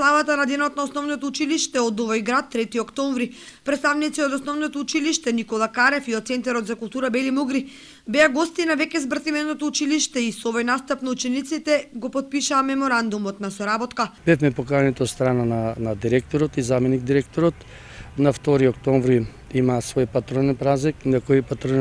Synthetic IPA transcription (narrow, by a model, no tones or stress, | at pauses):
lˠavat̪anad̪ɛnɔt̪naɔsnɔvnɔt̪ɔut͡ʃiliʃt̪ɛɔd̪ɔvɔjɡɾat̪ːɾɛt̪iɔkt̪ɔɱvɾipɾɛt̪st̪avnit̪siod̪ɔsnɔvnɔt̪ɔut͡ʃiliʃt̪ɛnikɔlˠakaɾɛfiɔt̪t̪sɛnt̪aɾɔt̪zakulˠt̪uɾabɛlimuɡɾi | bɛaɡɔst̪inavɛkʲɛzbr̩t̪ivɛnɔt̪ɔut͡ʃiliʃt̪ɛisoɔvojnast̪apnaut͡ʃɛnit̪sit̪ɛɡɔpɔt̪̚piʃaːmɛmɔɾand̪umɔt̪nasɔɾabɔt̪kab̥ɛfmɛpokanɛt̪ɔot̪st̪ɾanananad̪iɾɛk̚t̪ɔɾɔt̪izamɛniɡ̚d̪iɾɛk̚t̪ɔɾɔt̪ | naft̪ɔɾiɔkt̪ɔɱvɾi | imaːsvɔjpat̪ɾɔnɛnpɾaziknakɔipat̪ɾɔn